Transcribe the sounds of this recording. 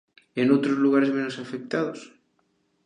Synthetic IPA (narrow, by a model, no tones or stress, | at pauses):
enowt̪ɾozluɣ̞aɾezmẽnosafek̚t̪aðos